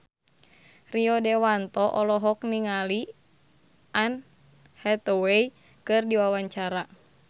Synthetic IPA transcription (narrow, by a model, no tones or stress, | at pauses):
riɔdɛwant̪ɔʔɔlɔɦɔk̚niŋali | an | hɛt̪ɔwei | kɨrdiwawaɲt͡ʃaɾa